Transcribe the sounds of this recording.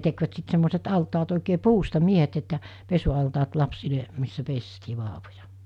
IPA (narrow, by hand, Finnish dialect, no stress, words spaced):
tekʋæt sit semːoset ɑltɑːt oˑike puːstɑ miehet etːæ pesuɑltɑːt lɑpsile misːæ pestiː ʋɑːʋojɑ